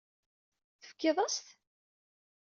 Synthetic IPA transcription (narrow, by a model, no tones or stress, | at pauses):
θə̥fkːeðˤɑst̪